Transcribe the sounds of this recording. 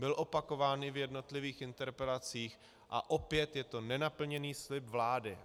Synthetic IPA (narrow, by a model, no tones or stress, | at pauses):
bɪlʔo̞pako̞vaːnʔɪvjɛdno̞t̪lɪviːxɪnt̪ɛɾpɛlat͡siːx | ʔa̰ʔo̞pjɛt̪jɛt̪o̞nɛnapl̩ɲɛniːslɪpvlaːdɪ